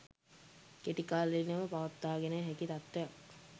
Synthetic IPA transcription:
keʈikaːlinəməpaʋat̪ːaːɡeneɦækit̪at̪ːeja

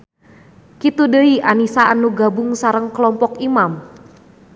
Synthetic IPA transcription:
kit̪udəiʔanisaanuɡabʊŋsaɾəŋkəlɔmpɔkimam

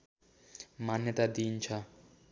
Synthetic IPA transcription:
manːet̪ad̪int͡ɕʰa

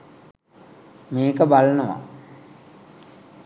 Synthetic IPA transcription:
meːkəbalənəʋa̰

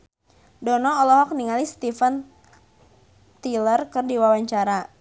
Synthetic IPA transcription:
dɔnɔːlɔɦɔk̚niŋalist̪ifən | t̪ilərkərdiwawaɲt͡ʃaɾa

